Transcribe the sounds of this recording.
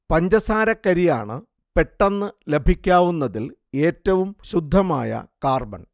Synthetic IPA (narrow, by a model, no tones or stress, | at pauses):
pɐɲd͡ʑɐsaːɾɐkːɐɾija̰ːɳɨ | pe̞ʈːɐnːɨle̞bʱikʲːaːʋunːɐðile̞ːtːɐʋumɕud̪ʱːɐma̰ːjɐ̰kaːrbɐ̰n